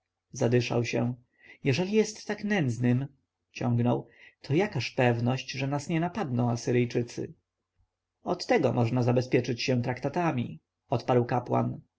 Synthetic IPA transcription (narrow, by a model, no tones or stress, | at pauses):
zad̪ɘʂa̰wɕɛ̃ | jɛʐɛlʲijɛst̪ːaknɛnd̪znɘm | t͡ɕɔ̃ŋɡnɔwt̪ʰɔjakaɕpɛvnɔɕt͡ɕʐɛnasɲɛnapad̪nɔ̃w̃asɘɾɘjt͡ʂɘt̪sɘ̰ | ɔt̪ːɛɡɔmɔʐnazabɛspʲjɛt͡ʂɘt͡ɕɕɛ̃w̃t̪ɾakt̪at̪amʲḭ | ɔt̪paɾwkapwa̰n